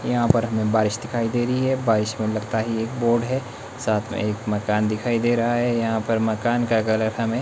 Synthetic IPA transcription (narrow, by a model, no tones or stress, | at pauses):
jɐɦãpɐɾɦɐmẽbaːɾɪʃd̪ɪkʰaːid̪eːɾɐɦiɦɛbaːɾɪʃmẽlɐɡt̪aɦieːk̚boːɾɖɦɛː | saːt̪ʰmḛ̃eːkmɐkaːnd̪ɪkʰaːid̪eːɾɐɦaɦɛjɐɦãpɐɾmɐkaːnkaɡɐləɾɦɐmẽ